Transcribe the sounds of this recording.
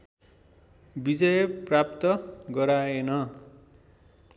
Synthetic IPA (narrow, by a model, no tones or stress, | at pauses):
bid͡zʌjprap̚t̪ʌɡʌɾaenʌ